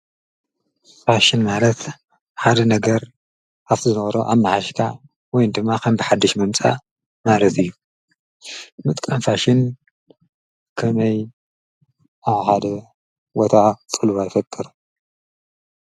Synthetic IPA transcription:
faʃɪnmalɐt̪ | ħad̪ɐnɐɡɐɾ | aβzɨnɐβɐɾoʔaβmaħaʃkʰa | wɔjnd̪ɨmːakʰɐmbɨħad̪ːɨʃmɨmt͡sʼa̰ | malɐt̪ɨjːu | mɨt̪ʼkʼɐmfaʃɪn | kʰɐmɐj | ʔaβħad̪ɐ | wot̪ʰat͡sʼɨlβajifɐkʼːɨɾu

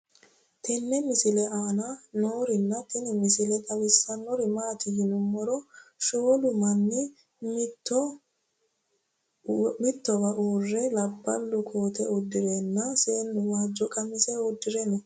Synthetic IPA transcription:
t̪ɛnːɛmɪsɪlɛʔaːnanoːɾɪnːɐt̪ɪnɪmɪsɪlɛt̪ʼɐwɪsːɐnːɔɾɪmaːt̪ɪjɪnʊmːɔɾɔʃoːlʊmɐnːɪ | mtːɔ | mɪt̪ːɔbɐʔoːrːɛlɐbːɐlːʊkʰoːt̪ɛɔd̪ːɪɾeːnːɐseːnːʊwaːd͡ʒɔkʼɐmɪsɛɔd̪ːɪɾɛnɔ

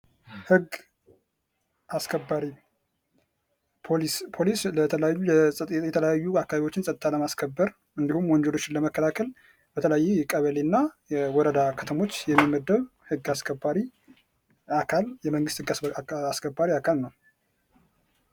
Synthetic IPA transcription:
hɨɡ | ʔaskʰəbːaɾi | pʰolispʰolislət̪ʰələjajːujɛsʼət̪ʼejɛt̪ʰələjajːuakːaβaβiwo̞t͡ʃːɪnsʼət̪ʼɨt̪ʰaləmaskʰəbːəɾ | ɨnd̪ihumwɔɲd͡ʒɛlo̞t͡ʃːɪnləməkːəlakʰəl | b̥ət̪ʰələjajːuɛkʼəβəlenːajɛwɔɾəd̪akʰət̪ʰəmo̞t͡ʃːjɛmːimːəd̪ːəβhɨɡːaskʰəbːaɾi | akʰaljɛməŋɡɨst̪hɨɡasaskʰəbːaɾiakʰalnəw

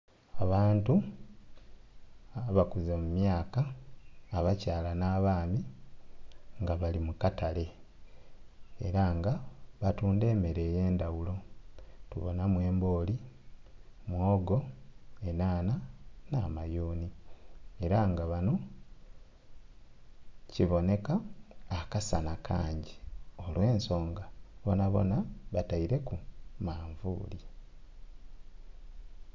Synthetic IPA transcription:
aβaːntu | βakuzemumjaːkaː | βacaːlanaːβaːmi | ŋɡaβalimukatale̞ | eɾaŋɡaβatuːnde̞ːme̞ɾe̞ːje̞ːndawulo̞tuβo̰namwe̞ːmbo̞ːli | mwoːɡo̞e̞naːnanamajuːni | eɾaŋɡaβano | ciβo̞ne̞kaːkasanakʰa̰ːɲɟiolwe̞ːnso̞ːŋɡaβo̞naβo̞̰naβataiɾe̞kumaːɱvṵːli

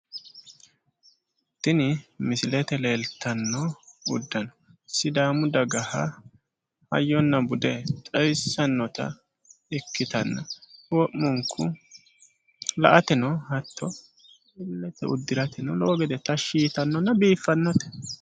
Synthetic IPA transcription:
t̪ːɪnɪmɪsɪlɛt̪ɛle̞ːlt̪ːɐnːɔʊd̪ːɐnɔ̥ | ɪsːɪd̪aːmʊd̪ɐɡɐhɐ | hɐ̰jːɔnːɐbʊd̪ɛt͡sʼɐjsːɐnːɔt̪ɐ̰ | ɪkːɪt̪ɐnːɐwɔʔmɔŋkʰːʊ | lɐ̰ʔɐt̪ɛnɔhɐt̪ːɔ | mɪllːɛt̪ɛʊd̪ːɪɾɐt̪ɛnɔloːɡɛd̪ɛt̪ɐʃiːt̪ɐnːɔnːɐbiːfːɐnːɔt̪ɛ̥

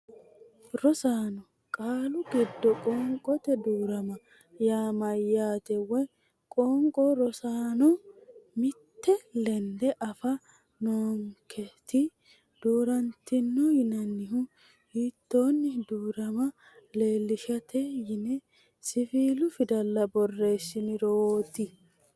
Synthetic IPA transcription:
ɾɔsaːnɔ | kʼaːlʊɡɪd̪ːɔkʼɔːŋkʼɔt̪ɛd̪uːɾɐmɐ | jaːmɐjːaːt̪ɛwɛ | kʼoːŋkʼɔɾɔsaːnɔmɪt̪ːɛlɛnd̪ɛʔɐfɐ | noːŋkʰɛt̪ɪ | d̪̥uːɾɐnt̪ɪnːɔjɪnɐnːɪɦʊ | hit̪ːo̞ːnːɪd̪uːɾɐmɐ | le̞ːlːɪʃɐt̪ʰɛjɪnɛ | sɪfiːlʊfɪd̪ɐlːɐbɔrːe̞ːsːɪnɪɾoːt̪ɪ

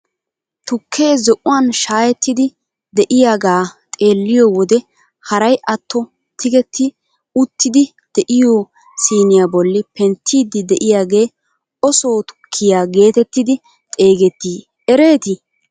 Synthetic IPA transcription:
t̪ʊkʰːe̞ːzɔʔʊwaːnʃaːjɛt̪ːɪd̪ɪ | d̪ɛʔɪjaːɡaːt̪ʼe̞ːlːɪjɔwɔd̪ɛ | hɐɾɐjʔɐt̪ːɔ | t̪ʰɪɡɛt̪ʰːɪ | ʊt̪ːɪd̪ɪ | d̪̥ɛʔɪjoː | siːnɪjabɔlːɪpɛnt̪ʰːiːd̪ːɪd̪ɛʔɪjaːɡe̞ː | ɔso̞ːt̪ʊ̥kʰːɪjaːɡe̞ːt̪ɛt̪ːɪd̪ɪ | t̪ʼe̞ːɡɛt̪ːiː | ɛɾe̞ːt̪ɪ

